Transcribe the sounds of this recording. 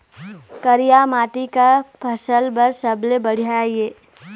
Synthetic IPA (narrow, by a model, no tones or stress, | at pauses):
kəɾijamaːʈikapʰɐsəlbɐɾsəblebəɽ̤ijaajeː